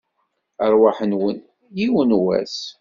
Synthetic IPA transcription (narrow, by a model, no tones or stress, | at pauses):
əɾwaħənwən | jiwənwæ̰s